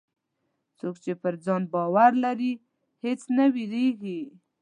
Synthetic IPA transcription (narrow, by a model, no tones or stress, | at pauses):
t͡sokt͡ʃepəɾd͡zɑnbɑwaɾlaɾi | het͡snawileɡi